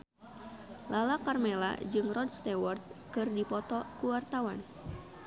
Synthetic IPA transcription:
lalakarmela̰d͡ʒɨŋrɔd̚st̪ewɔrt̪̚kɨrdipɔt̪ɔkuwart̪awan

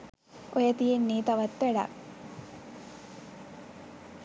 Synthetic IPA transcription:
ojət̪ijenːeːt̪aʋat̪ʋæɖa̰k

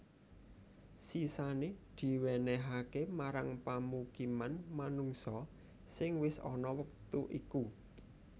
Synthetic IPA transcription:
sisaned̪̥i̤wenɛɦakemaɾaŋpamukimanmanuŋsɔ | sɪŋwɪsɔ̰nɔwək̚t̪uʔiku

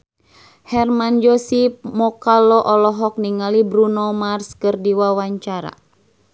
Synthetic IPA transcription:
hɛrmand͡ʒɔsip̚mɔkalɔʔɔlɔɦɔk̚niŋalibɾunɔmarskɨrdiwawaɲt͡ʃaɾa̰

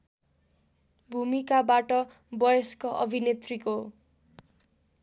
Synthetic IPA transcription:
bʱumikabaʈʌ | bʌjʌskoʔʌ̰bʱinet̪riko

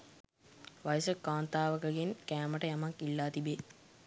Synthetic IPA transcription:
ʋajəsəkaːnt̪aːʋəkəɡeŋkæːməʈəjamakilːaːt̪ibe

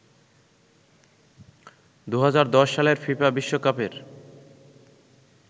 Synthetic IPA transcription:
d̪uɦad͡ʑaɾd̪ɔʃːaleɾfipabiʃːokapeɾ

